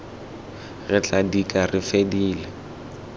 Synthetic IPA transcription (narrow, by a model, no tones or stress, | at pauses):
ɣɪt͡ɬʼadikʼarɪfediːlɛ